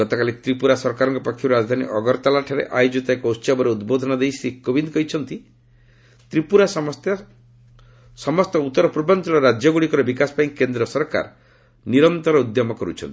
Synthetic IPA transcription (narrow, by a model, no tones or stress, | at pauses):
ɡɔt̪ɔkalit̪ɾipuɾasɔɾkaɾɔŋkɔpɔkʰːjɔɾɾad͡ʒd̪ʱanḭʔɔɡɔɾt̪alaʈʰaɾḛʔajud͡ʒit̪ɔekɔwst͡ʃabɔɾeud̪bod̪ʱɔnɔd̪ejsikːobind̪kɔɦit͡ʃʰɔnt̪i | t̪ɾipuɾasɔt̪ | sɔmɔst̪ɔut̪ːɔɾɔpɾubʱant̪ɔlɔɾad͡ʒɔɡuɽikɔɾɔbikasɔ̥paj̃kend̪ɾɔsɔɾka̰ɾ | niɾɔnt̪ɔɾɔud̪jɔmɔkɔɾṵt͡ʃʰɔ̰nt̪i